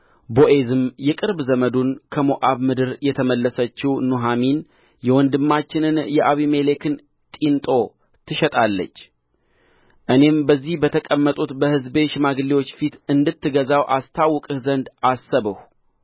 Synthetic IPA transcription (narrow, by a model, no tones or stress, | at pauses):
boʔe̞zɨmjɛkʼɨɾbzəməd̪unkʰəmoʔaβmɨd̪ɨɾjɛt̪ʰəməlːəsət͡ʃːɪwnuɦamin | jɛwɔnd̪ɨmːat͡ʃːɪnɨnjɛʔaβime̞le̞kʰɨn | t̪ʼint̪ʼo̞ | t̪ʰɨʃɛt̪ʼalːə̰t͡ʃː | ʔɨne̞mbəzːihbət̪ʰəkʼəmːət̪ʼut̪bəhɨzbe̞ʃmaɡliwo̞t͡ʃːfit̪ɨnd̪ɨt̪ːɨɡəzawʔast̪ʰawːɔkʼɨhzənd̪asːəβɨh